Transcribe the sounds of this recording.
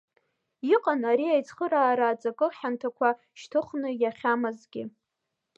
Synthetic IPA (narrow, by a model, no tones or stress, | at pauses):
iqʼanaɾiajt͡sʰʼχəɾaːɾaːt͡sʼakʼɨħantʰakʷʰa | ʃtʰɨχnɨjaχʲamɨzɡʲɪ